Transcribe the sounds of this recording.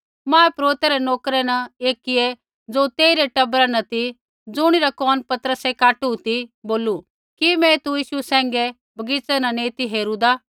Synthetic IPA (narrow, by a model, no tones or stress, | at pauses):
mãːɛpɾoːt̪ɛɾɛnoːkɾɛnɐeːkɪe | d͡zoːt̪eːiɾeʈɐbɾanɐt̪i | d͡zʊɽ̃iɾakɔːnpɐt̪əɾəsekaːʈut̪iboːlu | kimɛ̃t̪ujiːʃusɛ̃ːŋɡe | bʱɐɡɪt͡sɛnɐnẽːt̪iɦeːɾud̪aː